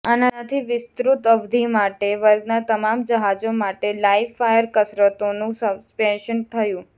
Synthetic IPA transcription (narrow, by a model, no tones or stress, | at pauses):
anat̪ʰiʋɪst̪ɾut̪əʋd̪ʱimaʈeʋəɾɡnat̪əmamd͡ʒəɦad͡ʒomaʈelaifːajəɾkəsɾət̪onũsəbspɛnʃənt̪ʰəjũ